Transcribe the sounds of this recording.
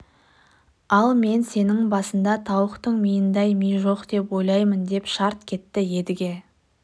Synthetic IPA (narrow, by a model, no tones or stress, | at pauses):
ɑlˠme̞nse̞nɪŋbɑsənd̪ɑt̪ʰɑwəqt̪əɴmijɪnd̪ɑjmijʒo̞qd̪e̞pwo̞jlˠɑjmənd̪e̞pʃɑɾt̪kʲʰe̞t̪ːɪje̞d̪ɪɡʲe̞